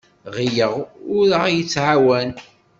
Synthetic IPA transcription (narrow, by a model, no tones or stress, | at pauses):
ʁijəʁʊɾəʁjət͡sːʕawæn